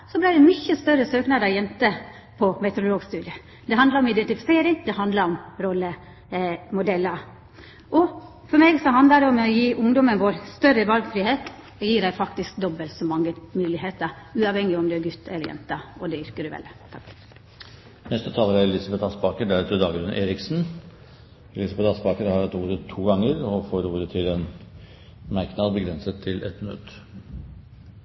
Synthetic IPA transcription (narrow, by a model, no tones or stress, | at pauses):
sɔblɪd̪ɛmʏçːəst̪œɾːəsøːknɑd̪ɑjɛnt̪ə | pʰɔmɛt̪ɛɾʊloːɡst̪ʉːd̪ɪə | d̪ɛɦɑnd̪lɑɾɔmɪd̪ɛnt̪ɪfɪ̥seːɾɪŋd̪ɛɦɑnd̪ləɾɔmɾɔlːə | mʊd̪ɛlːəɾ | ʔɔ | fɔmeːɡsɔɦɑnd̪ləd̪ɛɔmɔjiːʔʊŋd̪ɔmənʋoːɾst̪œɾəʋɑlɡfɾɪheːt̪ | ɔjiːɾæɪfɑkt̪ɪsk̚d̪ɔbəlt̪sɔmɑŋːəmʉːlɪheːt̪əɾ | ʉːɑʋhɛŋːɪɔmd̪ɛæɡʉt̪ːʰɛləɾjɛ̰nt̪əɔd̪ɛʏɾkəɖʉʋɛ̰lt̪ʰɑ | nɛst̪ət̪ʰɑːləɾæɾɛlɪsɑbɛt̪ɑspɑːkəɖæɾʉt̪əd̪ɑːɡɾʉnʔeːɾɪksn̩ | ɛlɪsɑbɛt̪ɑspɑːkəɾhɑɾɛt̪uːɾət̪ʰːuːɡɑŋəɾɔfoːɾuːɾət̪ʰɪlɛn | mæɾknɑd̪bəɡɾɛnsət̪ʰːɪlʔɛ̰t̪mø̰ːt̪